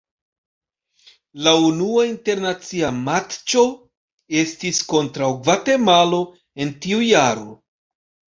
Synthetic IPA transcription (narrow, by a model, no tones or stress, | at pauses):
launuainte̞ɾnat͡siamatt͡ʃo̞ | e̞stisko̞ntɾawɡvate̞malo̞ | e̞ntiujaɾo̞̰